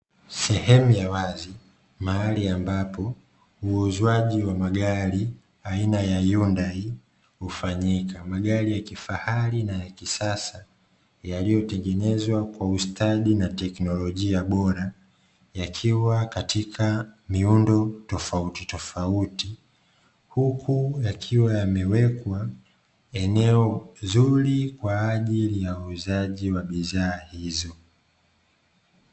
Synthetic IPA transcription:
sɛhɛmujawazi | maaliambapɔ | uːzwaʄiwamaɠaɾi | ainajajundai | hufaɲikʰamaɠaɾijakifahalinajakisasa | jalijɔtɛŋɡɛnɛzwakwaustʰaɗinatɛknɔlɔʄiaɓɔɾa | jakʰiwakatikʰamiundɔtɔfautitɔfauti | hukʰujakʰiwajamɛwɛkwa | ɛnɛɔzuɾikwaːʄilijauːzaʄiwaɓiðaːhizɔ

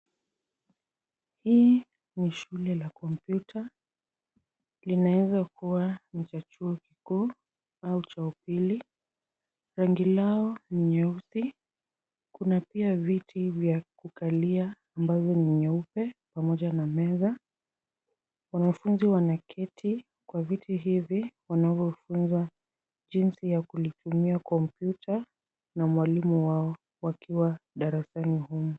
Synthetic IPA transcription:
hiː | niʃulɛlakɔmpjutʰa | linawɛzakuwanit͡ʃat͡ʃuɔkikuː | aut͡ʃaupili | ɾaŋɡilaɔniɲɛusi | kunapiavitʰivjakukaliaː | mbazɔniɲɛupɛpamɔʄanamɛza | wanafunziwanakʰɛtʰi | kwavitʰiɦiviwanavjɔfunza | ʄinsijakulitumiakɔmpjutʰa | namwalimuwaɔ | wakʰiwaɗaɾasanihumu

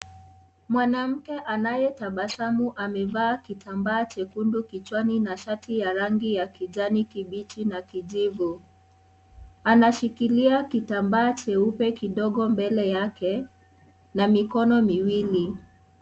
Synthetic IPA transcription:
mwanam̩kɛʔanajɛtaɓaʃamuʔamɛvaːkitʰambaːt͡ʃɛkundukit͡ʃwaninaʃatijaɾaŋɡijakiʄanikiɓit͡ʃinakiʄivu | anaʃikiliakitambaːt͡ʃɛupɛkiɗɔɠɔmbɛlɛjakɛ | namikɔnɔmiwili

